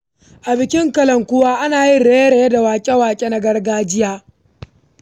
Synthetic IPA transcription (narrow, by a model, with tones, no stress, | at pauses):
ʔa˨bɪ˨kʲɪ˦ŋkɐ˨lɐ˨ŋkʷʊ˦waː˦ʔa˦naː˨ji˦ɽeː˨˦je˦ɽe˨je˦da˨waː˨kʲʼe˦waː˨kʲʼe˦na˨ɡɐ˦rɡaː˦d͡ʒɪ˦jaː˦